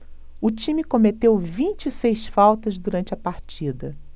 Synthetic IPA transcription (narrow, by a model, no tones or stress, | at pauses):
ʊt͡ʃĩmikomet̪ewvĩnt͡ʃɪisejsfawt̪ɐzd̪uɾɐ̃nt͡ʃɪɐpaɾt͡ʃid̪ɐ